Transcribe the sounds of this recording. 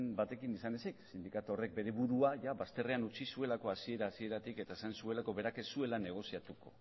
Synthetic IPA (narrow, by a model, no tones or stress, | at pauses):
mbat̪e̞kinisane̞seksind̪ikat̪o̞re̞k̚be̞ɾe̞βuɾuaʝaβast̪e̞re̞anut͡sisue̞lako̞asie̞ɾaːsie̞ɾat̪ike̞t̪aesansue̞lako̞βe̞ɾake̞sue̞lane̞ɣ̞o̞siat̪uko̞̰